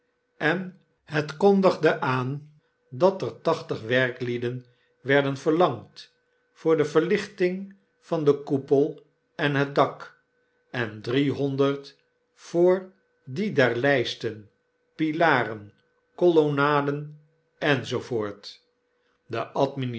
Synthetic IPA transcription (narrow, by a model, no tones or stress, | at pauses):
ɛn | hətkondəχdəʔaːn | dɑtəɹtɑχtəχʋɛɹklidən | ʋɛɹdənvəɹlɑŋt | fʊːɹdəvəɹlɪχtɪŋ | vɑndəkupəlˠ | ɛnɦət̚dɑk | ɛndriɦɔndəɹt | fʊːɹ | didɛɹlɛjstən | pilaːrən | kolonaːdən | ɛnzovʊːɹt | dəʔɑtmin